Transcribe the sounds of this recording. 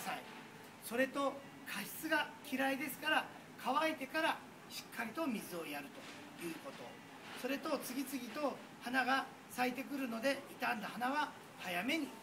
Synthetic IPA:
sai | so̞ɾe̞t̪o̞ | kʰaɕi̥t͡sɨɡakʲiɾaid̪e̞sɨ̥kaɾa | kʰaβaet̪e̞kaɾa | ɕi̥kʰːaɾʲit̪o̞mʲizɨo̞jaɾɯ̟t̪o̞̥ | jɯ̟ːko̞t̪o̞̰ | so̞ɾe̞t̪o̞t͡sɨɡʲit͡sɨɡʲit̪o̞ | hanaɡa | sait̪e̞k̬ɯ̟ɾɯ̟no̞d̪e̞it̪ãnd̪ahanaβa | hajame̞ɲ̟i

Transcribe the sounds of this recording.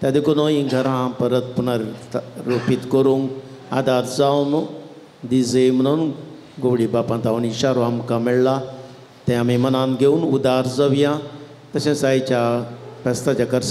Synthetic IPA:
t̪ad̪ekonoːĩɡʱɐɾãːpɐɾət̪̚punaɾɾopit̪koɾũŋɡ | aːd̪aːɾzaːunu | d̪izemnon | ɡoːɽibaːpãnt̪aːuniʃaːɾoamkameɭla | t̪ẽamẽmɐnaːnɡeunud̪aːɾzɐʋijãː | t̪ɐsẽsaːit͡ʃapɛst̪ad͡ʒɐkɐɾ

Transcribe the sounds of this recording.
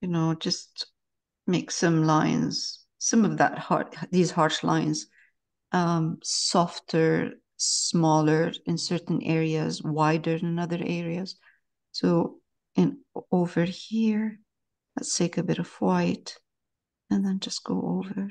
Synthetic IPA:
jɨnoʊd͡ʒʌst | meɪksʌ̃mlãɪ̃nz̥ | sʌ̃mʌvðə̰t̚hɑ̰ɹðiz̥hɑɹʃlã̰ɪ̃nz̥ | ʔʌ̃msɔftʰə˞ | smɔlˠə˞ɨ̃nsɜɹʔn̩ʔɛɹiɨzwaɪdə˞ɨ̃nʌðə˞ʔɛɹiɨz̥ | soʊ | ʔɨ̃noʊvə˞hiɹ | lɨ̰tstʰeɪkɨbɪɾʌv̥waɪt | ɨ̃nðɨ̃nd͡ʒʌst̚ɡ̥oʊʔo̰ʊvə˞

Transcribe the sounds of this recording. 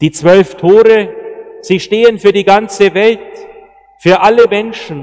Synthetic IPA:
d̥iːt͡sv̥œlftʰoːʁəz̥iːʃteːənfyːɐdiːɡant͡səvɛlt | fyːɐʔaləmɛnʃn̩

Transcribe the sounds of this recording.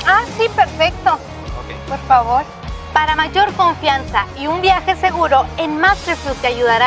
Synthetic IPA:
asipe̞ɾfek̚t̪o̞ | okepoɾfaβo̞ɾ | paɾamaʝo̞ɾko̞ɱfjansaiumbjaxe̞se̞ɣuɾo̞e̞nmasefut̪eaʝuðaɾa

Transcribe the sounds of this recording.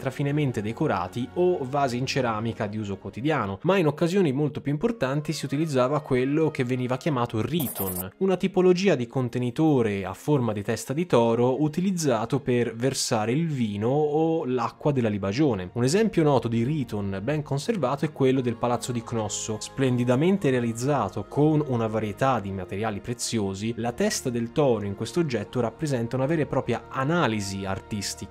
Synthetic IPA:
t̪ɾafinement̪ed̪ekoɾa̰ːt̪iovaːziːnt͡ʃeɾaːmikad̪iuːzokwot̪id̪jaːnomainokːazjoːnimolt̪opjuimport̪ant̪isiut̪ilid̪zːaːvakwelːok̟evːeniːvak̟jamaːt̪oriːt̪ʰonunat̪ipolod͡ʒiːad̪ikont̪enit̪oːɾea̰fːormad̪it̪ɛst̪ad̪it̪ɔːɾout̪ilid̪zːaːt̪operversaːɾeilviːnoːlakːwad̪elːalibad͡ʒoːneunezɛmpjonɔːt̪od̪iɾiːt̪onbɛŋkonservaːt̪oɛkːwelːod̪elpalat̪sːod̪iknɔsːosplend̪id̪ament̪eɾealid̪zːaːt̪okʰonunavaɾjet̪ad̪ːimat̪eɾjaːlipɾet̪sːjoːzilat̪ɛst̪ad̪elt̪ɔːɾoiŋkwest̪od͡ʒːɛt̪ːoɾapːɾezɛnt̪aunavɛːɾepɾɔːpɾjaanaːlizia̰rt̪ist̪ik

